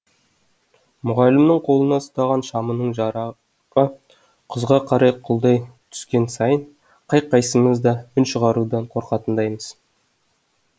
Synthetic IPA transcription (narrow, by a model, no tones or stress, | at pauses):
mʊʁɑlɪmnəɴqʰo̞lˠənɑsʊt̪ɑʁɑnʃɑmənəɴʒɑɾ | qə | qʰəzʁɑqʰɑɾɑjqʰʊlˠd̪ɑjt̪ʰʏ̥skʲe̞nsɑjəɴ | qʰɑjqːɑjsəɴəzd̪ɑʏnʃəʁɑɾud̪ɑɴqʰo̞ɾqɑt̪ənd̪ɑjməz̥